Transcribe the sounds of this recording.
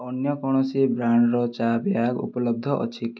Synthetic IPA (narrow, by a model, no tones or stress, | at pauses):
ɔnjɔkɔɽ̃ɔsibɾaɳɖɾɔt͡ʃabjaɡṵpɔlɔb̚d̪ʱɔʔɔ̰t͡ʃʰik̪